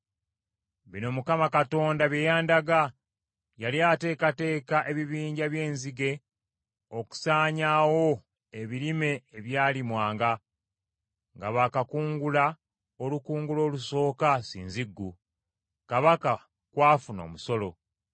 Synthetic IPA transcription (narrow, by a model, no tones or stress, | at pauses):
βino̞mukamakato̞ːndaβjejaːndaɡa | jaliate̞ːkate̞ːkaʔe̞βiβiːɲɟaβje̞ːnziɡe̞ | o̞ku̥saːɲawo̞ | e̞βilime̞ːβjaːlimwaːŋɡa | ŋɡaβakakuːŋɡula | olukuːŋɡulo̞ːluso̞ːkasḭːnziɡːu | kaβaka | kwaːfuno̞̰ːmuso̞lo̞